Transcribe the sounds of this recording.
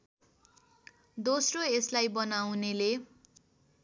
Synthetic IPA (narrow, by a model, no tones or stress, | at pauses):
d̪osroeslajbʌnawnele